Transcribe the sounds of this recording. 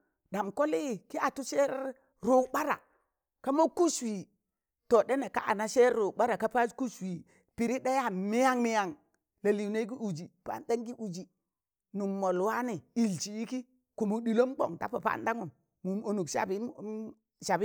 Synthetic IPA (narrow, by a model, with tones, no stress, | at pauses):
da˨mko˦li˦˨ki˦a˨tu˦se˦ɾ | ɾo˨ɓa˦ɾa̰˨ | ka˦mo˦ku˦swi˨ | to˨de˦na˨ka̰˦ʔa̰˨na˦ʃe˦ɾɾo˨ɓa˦ɾa˨ka˦pa˦d͡ʒku˦swi˨ | pi˨ɾi˦da˦ja˦mi˦ja˦ŋmi˦ja˦ŋ | la˨li˨ne˦k̬i˦u˨d͡ʒi˨pa̰˨˦˨nda˦ŋɡi˦ʔu˨d͡ʒi˨ | nu˨mːo˨lwa˦ni˨i˨lt͡ʃi˨i˦ki˦ | ku˨mu˨ɗi˨lo˦mɡ͡bo̰˨ŋta̰˦pa˨pa̰˦nda˦ŋu˨m | mu˨mo˨nu˨kʃa̰˨bi˦ | ʃa˨bi˦